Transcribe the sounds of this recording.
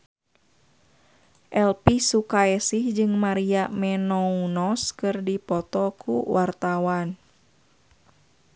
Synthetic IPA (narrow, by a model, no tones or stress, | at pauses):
ʔɛlpisukaɛsihd͡ʒɨŋmaɾiamɛnɔunɔskɨrdipɔt̪ɔkʰṵwʔart̪awan